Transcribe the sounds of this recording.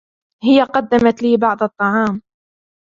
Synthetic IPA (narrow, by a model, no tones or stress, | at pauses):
hɪjaqɑd̪ːamat̪liːbɑʕd̪ˤɑt̪ˤːɑʕɑːm